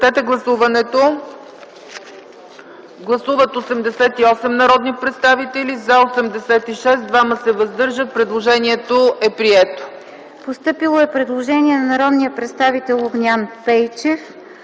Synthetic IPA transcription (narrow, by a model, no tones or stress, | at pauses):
t̪ɛt̪ɛɡlˠɐsuvɐnɛt̪o | ɡlˠɐsuvət̪osɛmd̪ɛsɛt̪iɔsɛmnɐɾɔd̪nipɾɛt̪st̪avit̪ɛlizaosɛmd̪ɛsɛt̪iʃɛsd̪vaməsɛvɐzd̪ɤɾʒət̪̚pɾɛd̪lˠoʒɛniɛt̪oʔɛpɾiɛt̪o̥ | post̪ɤpilˠoɛpɾɛd̪lˠoʒɛniɛnɐnɐɾɔd̪nijəpɾɛt̪st̪avit̪ɛlˠoɡnʲanpɛjt͡ʃɛf